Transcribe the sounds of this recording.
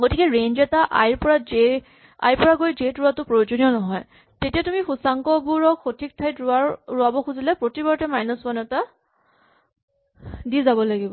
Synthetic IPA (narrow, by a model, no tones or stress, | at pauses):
ɡotikɛɹend͡ʒɛtaʔa̰jɹpɔɹad͡ʒe | a̰jpɔɹaɡojd͡ʒetɹʊatʊpɹojod͡ʒoniɔnɔɦɔj | tetijatumixusaŋkɔɡuɹɔkxotʰik̚tʰajtɹʊaɹɹʊabɔxuzilɛpɹotibɔɹtɛmajnɔsmanɛta | dizabɔlaɡibɔ